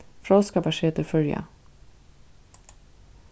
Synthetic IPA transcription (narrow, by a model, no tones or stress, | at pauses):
fɾɔskapaʂeːt̪əɾfœɾja̰